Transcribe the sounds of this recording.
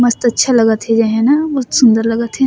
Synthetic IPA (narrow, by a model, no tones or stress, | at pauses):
mɐst̪ɐtːʃʰalɐɡət̪ɦɛd͡ʒɛɦɛ̃naʊt̪sʊ̃nd̪əɾlɐɡət̪ɦɛ